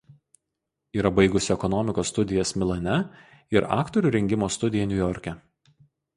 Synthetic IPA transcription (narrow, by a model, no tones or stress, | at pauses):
iːɾɐbɐɪɡʊsʲɪɛkɔnɔmʲɪkoːsːt̪ʊd̪ʲɪjɛsmʲɪlˠɐnʲɛ | ɪɾɑ̰ːkt̪ɔɾʲuːˑɾʲɛŋʲɡʲɪmoːst̪ʊd̪ʲɪjɛnʲʊjɔɾʲkʲɛ